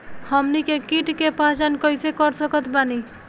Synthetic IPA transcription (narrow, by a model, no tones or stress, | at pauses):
hʌmnikekiʈkepat͡ʃankʌjsekʌɾsʌkʌt̪ʰbani